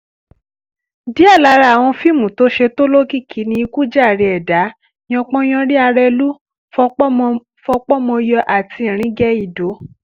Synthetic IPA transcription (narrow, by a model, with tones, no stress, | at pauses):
di˨˦a˦˨la˨˧˦ɾa˧˨w̃ɔ̃˧fi˦˨mũ˨to˨˦ʃe˧to˦lo˦ki˦˨kʰi˨˦nĩ˧i˧ku˦d͡ʒa˦˨ɾi˧ɛ˨da˨˦ | ĩ˦ɔ̃˧k͡pɔ̃˦j̃ɔ̃˧ɾi˦a˧ɾɛ˧lu˦ | fɔ˧k͡pɔ˦m˧ | fɔ˧k͡pɔ˦mɔ̃˧jɔ˧ʔa˨ti˧˦ĩ˨ɾ̃ĩ˨˦ɡɛ˦i˦˨do˨˦